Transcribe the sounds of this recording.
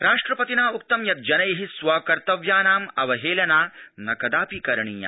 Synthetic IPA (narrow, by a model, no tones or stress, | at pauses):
ɾaːʂʈɾɐpɐt̪inaːuk̚t̪ɐmjɐt̪̚d͡ʒɐnɐjɐɦisʋaːkɐɾt̪ɐʋjaːnaːmɐʋɐɦeːlɐnaːnɐkɐd̪aːpiːkɐɾɐɳiːjɐ̰ː